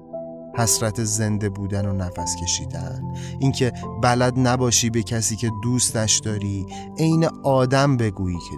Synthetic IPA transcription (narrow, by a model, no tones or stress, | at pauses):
hæsɾæt̪ʰe̞ze̞nd̪e̞buːd̪ænonæfæscʰe̞ʃiːd̪æ̰nʔiŋcʰe̞bælæd̪næbɒːʃiːbe̞cʰæsiːcʰe̞d̪uːst̪æʃd̪ɒːɾiː | e̞jneɒːd̪æmbe̞ɡuːjiːcʰ